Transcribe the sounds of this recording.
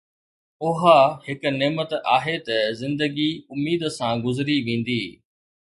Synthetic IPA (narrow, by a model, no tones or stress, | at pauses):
ʊɦahɪkneːmət̪aːɦet̪ɐzɪ̃nd̪əɡiʊmiːd̪sãɡʊzɾiʋẽːn̆d̪iː